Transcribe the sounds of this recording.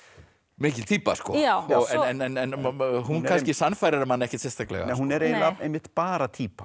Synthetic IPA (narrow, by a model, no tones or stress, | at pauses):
mɪːcɪlt̪ʰiːpa̰skɔ̰awɔɣɛɛnɛnɛnɦunkʰanscɪsanfajɾɪɾɪmanːɛhcɪ̥t̪sɛst̪aklɛ̰ɣa̰hunɛɾejlaejmɪht̪paːɾat̪ʰiːpḁ